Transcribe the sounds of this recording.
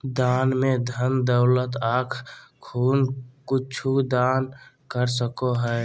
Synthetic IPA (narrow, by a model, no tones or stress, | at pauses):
d̪aːnmẽd̪ʱənd̪əʊlət̪aːkʰkʰuːnkʊt͡ʃʰud̪aːn | kəɾsəkoɦɛː